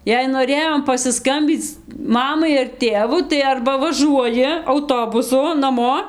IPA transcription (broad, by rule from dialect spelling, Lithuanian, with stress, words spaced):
jɛɪ noːˈrʲeːjoːm pɐsʲɪˈskɐmʲbʲiːt͡s ˈmɑːmɐɪ ɐr ˈtʲeːʋʊ tɐɪ ˈɐrbɐ ʋɐˈʒuɔjɪ ɐʊˈtoːbʊsʊ nɐˈmoː